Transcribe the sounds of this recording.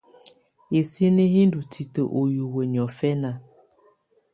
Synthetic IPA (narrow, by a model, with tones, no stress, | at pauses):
e˨si˦ne˦ɦi˦n˦du˨tʰi˨to˨ʔo˨ju˨we˨ɲ˨ɔ˨fɛ˦na˦